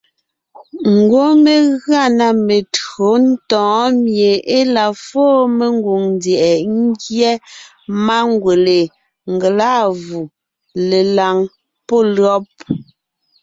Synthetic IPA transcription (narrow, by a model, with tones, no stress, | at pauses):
ŋ̩˨ɡwo˦me˨ɣɰa˦˨na˨me˨tɰo˨˦n̩˦tɔ̃ː˨˦mje˨e˦la˨fɔː˦me˦ŋɡu˨ŋn˦djɛ˨ʔɛ˨ŋ̩˦ɡjɛ˦ | ma˦ŋɡwe˨le˨ | ŋ̩˨ɡe˨la˦vu˨ | le˨la˨ŋ | pɔ˦˨lɰɔ˦p̚